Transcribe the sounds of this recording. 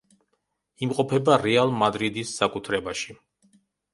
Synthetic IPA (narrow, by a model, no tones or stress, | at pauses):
imqʼɔpʰɛbaɾɛalˠmad̪ɾid̪isːakʼut̪ʰɾɛbaʃi